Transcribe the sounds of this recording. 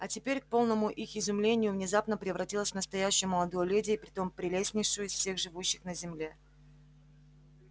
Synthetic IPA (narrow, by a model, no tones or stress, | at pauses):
ɐtʲɪpʲeɾʲk̚po̞lˠnəmʊʔixɪzʊmlʲenʲɪjʊvnʲɪzapnəpɾʲɪvɾɐtʲilˠəsʲvnəst̪ɐjæɕːɪjʊməlˠɐd̪ojəlʲudʲɪjəpɾʲɪt̪o̞mpɾʲɪlʲesʲnʲɪjʂɨjʊɪsfsʲe̞xʐɨvuɕːɪxnəzʲɪmlʲe̞